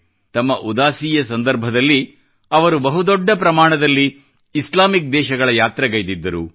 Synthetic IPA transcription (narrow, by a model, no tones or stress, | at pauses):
t̪ɐmːɐʔud̪aːsiːjɐsɐnd̪ɐɾbʱɐd̪ɐlːi | ɐʋɐɾubɐɦud̪ɔɖːɐpɾɐmaːɳɐd̪ɐlːiː | slaːmik̚d̪ɛːʃɐɡɐɭɐjaːt̪ɾɐɡɐjd̪id̪ːɐɾṵ